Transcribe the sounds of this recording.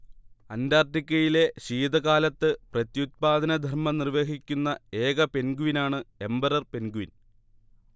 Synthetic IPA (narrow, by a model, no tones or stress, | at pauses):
ɐndaːrʈ̪ikʲːɐjile̞ɕiːd̪ɐɣaːlɐt̪ːɨprɐt̪jut̪̚paːd̪ʱɐnɐd̪ʱɐrmɐnirʋe̞ːɦikʲːunːɐe̞ːɡɐpe̞nɡuʋinaːɳɨe̞mbɐɾɐrpe̞nɡuʋin